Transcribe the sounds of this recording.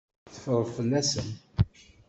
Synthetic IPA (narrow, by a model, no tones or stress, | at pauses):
θə̥fəɾˤəðˤfəlːæsən